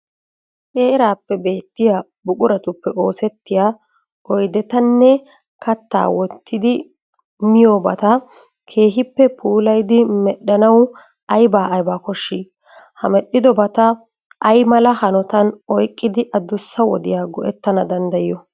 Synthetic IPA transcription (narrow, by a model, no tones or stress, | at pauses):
kʼeːɾaːpːɛbe̞ːt̪ːɪja | bʊkʼʊɾɐt̪ʊpːɛʔo̞ːsɛt̪ːɪjaː | ɔjd̪ɛt̪ɐnːɛ | kɐt̪ːa̰ːwɔt̪ːɪd̪ɪ | mɪjoːbɐt̪ɐ | kʰe̞ːɦɪpːɛpʰuːlɐjd̪ɪmɛɗːɐnɐw | ɐjbaːʔɐjbaːkɔʃːiː | hɐmɛɗːɪd̪ɔbɐt̪ɐ | ʔɐjmɐlɐhɐnɔt̪ɐnɔjkʼːɪd̪ɪʔɐd̪ʊsːɐwɔ̰d̪ɪjaːɡɔʔɛt̪ːɐnɐd̪ɐnd̪ɐjɪjɔ